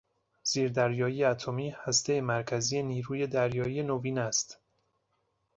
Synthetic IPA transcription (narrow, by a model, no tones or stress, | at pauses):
z̥iːɾd̪æɾjɒːjiːjeæt̪ʰomiːhæst̪e̞jemæɾcʰæziːje̞niːɾuːje̞d̪æɾjɒːiːje̞noviːnæst̪